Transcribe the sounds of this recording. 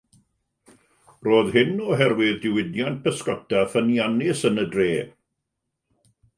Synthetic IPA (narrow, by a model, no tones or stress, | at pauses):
roːðhɪnɔɦɛrwɪðdɪwɪdjant̚pʰəskɔtʰafənianɪsənədreː